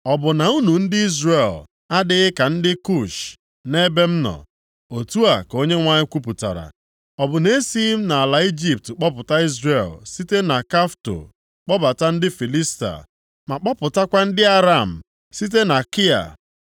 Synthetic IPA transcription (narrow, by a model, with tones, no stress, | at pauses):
ɔ˨bʊ˨na˨u˦nu˨n̩˦dɪ˦i˦zre˨l | a˦dɪ˦ɣɪ˦ka˨n̩˦dɪ˦ku˦˨ʃ | ne˦be˦m̩˦nɔ̰˨ | o˨tu˦a˨ko˦ɲe˦ŋʷa˦ɲɪ˦kʷu˦p̬u˨ta̰˨ɾa̰˨ | ɔ˨bʊ˨ne˦si˦m̩˦na˨a˨la˨i˦d͡ʒi˦p̚tk͡pɔ˦pʊ˨ta˦i˦zre˨lsi˦te˦na˨ka˦fto̰˨ | k͡pɔ˦ba˨ta˦n̩˦dɪ˦fi˨li˦sta̰˨ | ma˨k͡pɔ˦pʊ˨ta˦kʷa˦n̩˦dɪ˦a˦ɾa˨m̩˨ | si˦t̬e˦na˨ki˦a̰˨